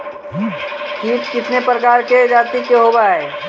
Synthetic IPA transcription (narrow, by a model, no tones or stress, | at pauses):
kiːt̪kɪt̪nepɾəkaːɾked͡ʒaːt̪ikeɦoːbaɛ